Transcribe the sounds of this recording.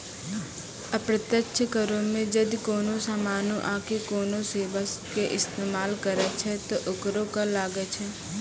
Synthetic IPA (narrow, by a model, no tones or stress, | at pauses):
ɐpɾət̪jəkʃʰəkəɾõmẽd͡ʒɐd̪koːnõsaːmaːnõʔaːkekoːnõseːʋaskeʔɪst̪eːmaːlkəɾɛt͡ʃʰɛt̪oʔʊkɾõkalaːɡet͡ʃʰɛ